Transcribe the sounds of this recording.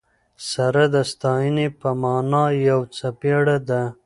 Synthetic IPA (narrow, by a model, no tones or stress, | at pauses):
saɾad̪əst̪ɑjənepəmɑːnɑjawt͡sapeɽad̪a